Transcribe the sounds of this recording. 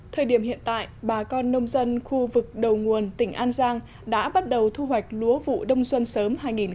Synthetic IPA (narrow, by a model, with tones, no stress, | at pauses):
t̪ʰəː˨˩jɗi˧˩əmhḭ˧˨ənt̪a̰ː˧˨jɓaː˨˩kɔ˧nːə˧wŋ͡mzə˧nxu˧vɨ˨˩k̚ɗə˨˩wŋu˨˩ənt̪ï˧˩ŋ̟ʔaː˧nzaː˧ŋ | ɗa̰ː˧˥ɓa˦˥t̚ɗə˨˩wt̪ʰu˧ɦwa˨˩jk̟̚lu˨˦əvṵ˧˨ɗə˧wŋ͡mswə˧nsəː˨˦mhaː˧jŋi˨˩n